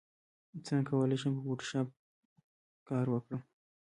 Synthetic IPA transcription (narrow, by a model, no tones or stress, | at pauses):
t͡sənkawəleʃampəkoʈʃɑp̚ | kɑɾwəkɽə